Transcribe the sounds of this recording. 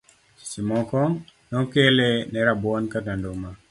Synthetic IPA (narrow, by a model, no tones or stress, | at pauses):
simɔkɔŋnɔkɛlɛnɛɾabɔnkatandoma